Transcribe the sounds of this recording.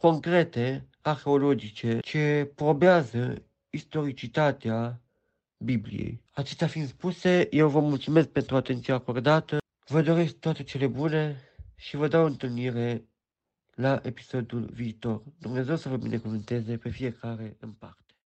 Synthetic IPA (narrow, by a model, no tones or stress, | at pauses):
ko̞ŋkɾe̞t̪e | arxe̞olod͡ʒit͡ʃe̞t͡ʃe̞pɾo̞beazə | ist̪o̞ɾit͡ʃit̪at̪ea | biblḭjḛjat͡ʃest̪eafinspuse̞jewvəmult̪sume̞sk̚pe̞nt̪ɾuat̪e̞nt̪siako̞rd̪at̪ə | vəd̪o̞ɾesk̚t̪owat̪e̞t͡ʃe̞le̞bune̞ʃivəd̪awɨnt̪ɨlniɾe̞ | laʔe̞pi̥so̞d̪julviːt̪o̞rd̪urne̞zewsəvəbinʔekuvɨnt̪e̞ze̞pe̞fije̞kaɾe̞ɨnpa̰rt̪e̥